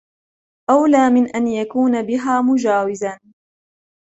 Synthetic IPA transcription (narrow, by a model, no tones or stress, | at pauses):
ʔawlaːmɪnʔanjakuːnabɪɦaːmʊd͡ʒaːwɪzan